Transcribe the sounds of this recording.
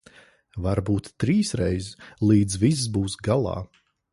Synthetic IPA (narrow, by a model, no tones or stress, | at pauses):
vaɾbuːt̪ːɾiːsɾɛjzlˠiːd̪zvis̬sbuːsɡalˠɑ̰ː